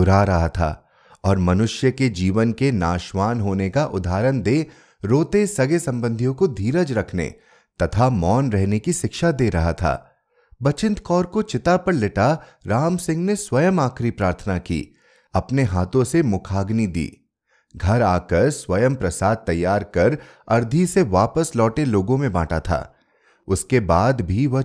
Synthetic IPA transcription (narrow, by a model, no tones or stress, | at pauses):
ʊɾaɾɐɦat̪ʰa̰ː | ɔːɾmɐnʊʃjəked͡ʒiːʋənkenaːʃʋaːnɦoːnekaʔʊd̪ʱaːɾənd̪eː | ɾoːt̪esɐɡesɐ̃mbə̃nd̪ʱijõkod̪ʱiːɾəd͡ʒɾɐkʰnḛː | t̪ɐt̪ʰamɔːnɾɛɦnekiʃɪkʃad̪eːɾɐɦat̪ʰa̰ː | bɐt͡ʃɪ̃nt̪kɔːɾkot͡ʃɪt̪apɐɾlɪʈa | ɾaːmsɪ̃ŋɡneswɐjəmaːkʰɾipɾaːɾt̪ʰənakḭː | ɐpneɦaːt̪õsemʊkʰaːɡnid̪ḭː | ɡʱɐɾaːkɐɾswɐjəmpɾɐsaːd̪̚t̪ːɐjːaːɾkɐɾ | ɐɾd̪ʱiseʋaːpəslɔːʈeloːɡõmẽba̰ːʈat̪ʰa̰ː | ʊskebaːd̪bʱiʋɐ